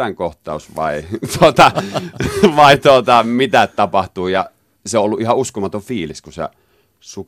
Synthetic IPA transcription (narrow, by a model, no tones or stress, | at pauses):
æŋkoht̪ˑɑˑusʋɑ̰ˑit̪uot̪ɑ | ʋɑˑit̪uot̪ɑmit̪ætt̪ɑpɑht̪uːjɑ | seoʔolːuʔʔihɑʔuskomɑt̪oʋfiːliskusḛ | suk